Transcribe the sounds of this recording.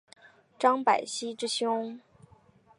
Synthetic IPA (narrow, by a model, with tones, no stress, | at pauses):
ʈ͡ʂɑ˥ŋpa̰˨˩ɪɕi˥ʈ͡ʂɻ̩˥ɕjʊ˥ŋ